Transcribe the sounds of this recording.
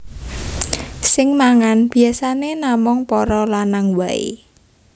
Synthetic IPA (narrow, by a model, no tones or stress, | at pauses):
sɪŋmaŋanb̥i̤asanenamʊŋpɔɾɔlanaŋwaḛ